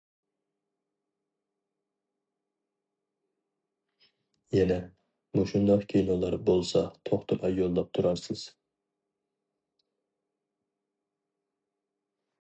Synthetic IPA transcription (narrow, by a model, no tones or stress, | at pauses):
jɛnɛ | buʃund̪ɑqkʲʰejnolˠɑɾbolˠsɑt̪ʰoχt̪ʰɨmɛjolˠːɑp̚t̪ʰuɾɑɾsɨz̥